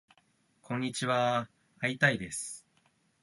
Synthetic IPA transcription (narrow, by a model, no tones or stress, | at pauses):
kʰõ̞ɲ̟ːit͡ɕiβa | ait̪aid̪e̞sɨ̥